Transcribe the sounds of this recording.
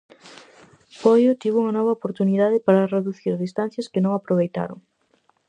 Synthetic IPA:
pɔjot̪iβuŋɐnɔβ̞ɐopoɾt̪uniðaðɪpaɾɐreðuθiɾðist̪ãn̟θjɐskɪnõŋapɾoβejt̪a̰ɾo̰ŋ

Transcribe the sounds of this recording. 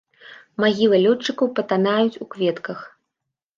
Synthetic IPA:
maɣʲilˠɐlʲɔt͡ʂːɨkɐwpɐt̪anajut͡sʲukvʲɛt̪kɐx

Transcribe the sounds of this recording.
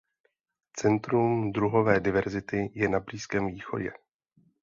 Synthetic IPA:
t͡sɛnt̪ɾumdɾuɦo̞vɛːdɪvɛɾzɪt̪ɪjɛnabliːskɛːmviːxo̞̰ɟɛ̰

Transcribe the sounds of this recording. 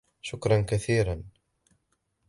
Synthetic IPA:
ʃʊkɾˤɑnkaθiːɾɑn

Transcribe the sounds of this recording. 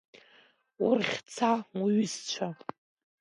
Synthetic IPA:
ʊ̰rχʲt͡sʰaɥʏst͡ʃʷʰa

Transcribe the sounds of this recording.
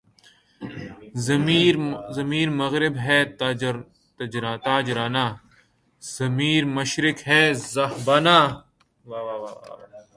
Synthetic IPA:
iɾzɐmiːɾmɐɣɾɪbɦɛːt̪ | t̪d͡ʒɾat̪aːd͡ʒɾaːnaː | z̥ɐmiːɾmɐʃɾɪkɦɛːzɐhbaːnaː | ʋaːʋaːʋaːa̰

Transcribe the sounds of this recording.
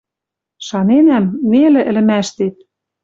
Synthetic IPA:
ʃɑnenæmːelɘ̆ʔɘ̆lɘ̆mæʃt̪et̪̚

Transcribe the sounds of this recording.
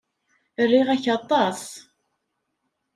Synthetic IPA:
ərːiʁæçɑt̪ˤːɑs

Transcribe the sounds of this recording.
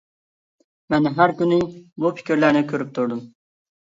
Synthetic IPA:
mɛnɦæɾkʲynɪbufʰɪ̥kʲʰiɾlæɾnɪkʲʰøɾyp̚t̪ʰuɾd̪ʊm

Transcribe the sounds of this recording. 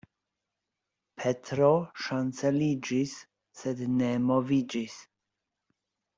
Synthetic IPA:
pʰetɾoʃanselid͡ʒisː | ednemovid͡ʒis

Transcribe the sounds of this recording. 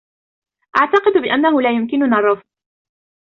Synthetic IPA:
ʔaʕt̪ɑqɨd̪bɪʔanːaɦʊlaːjʊmkɪnʊnɑrˤːɑfq

